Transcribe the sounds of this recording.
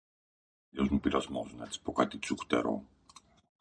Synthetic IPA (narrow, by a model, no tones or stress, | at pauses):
ʎozmupiɾɐzmozunet̪t͡si̥pokat̪it͡suxt̪ḛɾo̰